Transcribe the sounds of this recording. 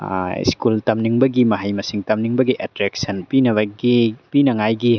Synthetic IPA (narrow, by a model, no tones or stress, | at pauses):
ḭskult̪ɐmniŋbɐɡimɐɦɐjmɐsiŋt̪ɐmniŋbɐɡiʔatɾɛk̚sɐnpinɐβɐɡipinɐŋajɡi